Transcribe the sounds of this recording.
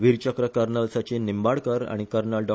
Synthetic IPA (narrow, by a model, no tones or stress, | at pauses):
ʋiɾt͡ɕəkɾəkəɾnəlsat͡ɕenimbaɽkəɾa̰ɽ̃ikəɾnalɖɔ